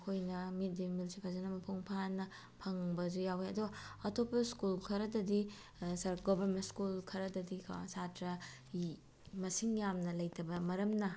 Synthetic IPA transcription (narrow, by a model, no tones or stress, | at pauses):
kʰojnɐmit̚dimilsipʰazɐnɐmɐpʰuŋpʰanɐ | pʰɐŋbɐzujaweɐduɡɐɐtʰopːɐskulkʰɐɾɐdɐdi | sɐɾɡobɐɾmentskulkʰɐɾɐdɐdikʰa̰satɾɐ | mɐsiŋjamnɐlɐjtʰɐbɐmɐɾɐmnɐ